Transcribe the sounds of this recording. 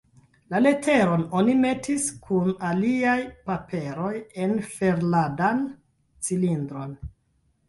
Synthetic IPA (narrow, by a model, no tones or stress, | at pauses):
lale̞tʰe̞ɾo̞no̞nime̞tiskʰunaliajpape̞ɾo̞je̞nfe̞ɾladan | t͡silindɾo̞n